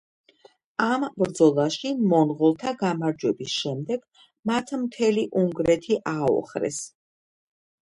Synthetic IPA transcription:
ambɾd̪zɔlˠaʃimɔnʁɔlˠt̪ʰaɡamaɾd͡ʒwɛbisʃɛmd̪ɛɡ̥ | mat̪ʰmt̪ʰɛliʔuŋɡɾɛt̪ʰiʔaɔ̰χɾɛ̰s

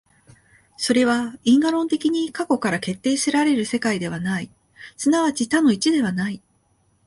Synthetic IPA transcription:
so̞ɾe̞β̞aĩŋɡaɾõ̞nt̪e̞kʲiɲ̟ikako̞kaɾake̞t̪ːe̞ːɕiɾaɾe̞ɾɯ̟se̞kaid̪e̞β̞anai | sɨnaβat͡ɕit̪ano̞it͡ɕid̪e̞β̞anai

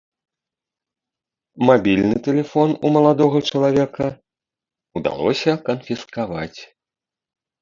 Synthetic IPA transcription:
mabʲilʲnɨt̪ɛlʲɛfɔnumɐlˠad̪ɔɣɐt͡ʂɐlˠavʲɛkɐ | ud̪a̰lˠɔ̰sʲɐkɐnfʲiskava̰t͡sʲ

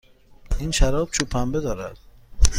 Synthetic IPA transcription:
iːnʃæɾɒːb̥t͡ʃʰupʰæmbed̪ɒːɾæ̰d̪̥

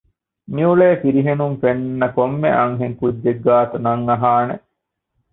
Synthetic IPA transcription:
miuɭeːfiɾiɦenuŋfennːɐkomːḛʔɐŋɦeŋkudːeɡːaːt̪unɐŋːɐɦaːnḛ

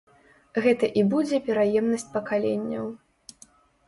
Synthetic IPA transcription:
ɣɛt̪ɐʔibud͡zʲɛpʲɛɾajɛmnɐsʲt͡sʲpɐkalʲenʲːɐw

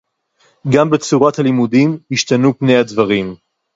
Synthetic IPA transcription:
ɡambe̞t͡suʁathalimudimhiʃtanupne̞jadvaʁim

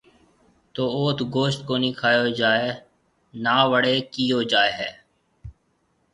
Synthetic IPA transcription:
t̪oːoːt̪ɡoːʃt̪̚koːniːkʰaːjoːd͡ʒaːeː | naːʋəɽeːkiːoːd͡ʒaːeːɦɛː

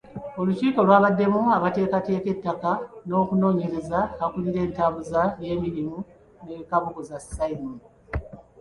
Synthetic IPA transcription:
o̞luciːkolwaːβadːe̞muaβate̞ːkate̞ːke̞tːakano̞ːkuno̞ːɲe̞ɾe̞zaakuliɾe̞ːntaːβuzaje̞ːmiɾimu | ne̞kaβuɡozasaimon

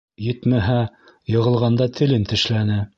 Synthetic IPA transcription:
jɘt̪mæɦæ | jɤ̆ʁɤ̆lˠʁɑnd̪ɑt̪ʰɘ̆lɘnt̪ɘ̆ʃlænɘ

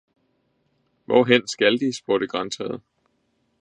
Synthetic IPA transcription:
ʋɒ̰ɦen̰sɡ̥æld̥isb̥oɐɾ̥əɡ̥ʁɑ̈nsʰɛð̩ˠ

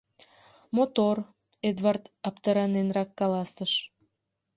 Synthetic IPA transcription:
mot̪or | ed̪vɑrt̪ɑpt̪əɾɑnenrɑkːɑlɑsəʃ

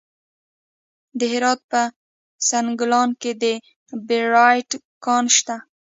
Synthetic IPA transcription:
d̪əɦɪɾɑt̪̚pə | sanɡʊlɑnked̪ə | beɾɑjʈ | kɑnʃt̪a

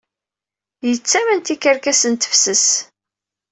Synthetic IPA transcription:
jət͡sːæmənt̪ikəɾkæsənt̪ə̥fsəs

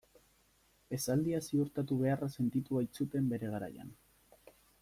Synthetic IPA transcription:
e̞sald̪iasiuɾt̪at̪uβ̞e̞arase̞nt̪it̪uβajt͡sut̪e̞mbe̞ɾe̞ɣ̞aɾa̰ja̰n

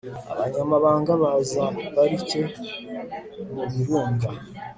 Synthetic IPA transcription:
a̰βaɲamaβaːŋɡaβazaβaɾice̞ | muβiɾuːŋɡa

